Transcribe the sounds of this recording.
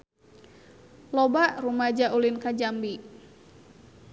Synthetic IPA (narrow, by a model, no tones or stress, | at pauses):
lobaʔrumad͡ʒaʔulinkad͡ʒambi